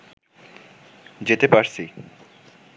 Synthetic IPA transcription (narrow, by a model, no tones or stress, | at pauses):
d͡ʑet̪epaɾsʰi